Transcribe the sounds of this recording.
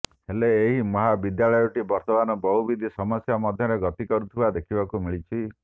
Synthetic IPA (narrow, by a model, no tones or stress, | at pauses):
heleːɦimɔɦabid̪jaɭɔjɔʈibɔɾt̪ɔmanɔbɔɦubid̪ʱisɔmɔsjamɔd̪ʱjɔɾeɡɔt̪ikɔɾut̪ʰibad̪ekʰibakumiɭit͡ʃʰi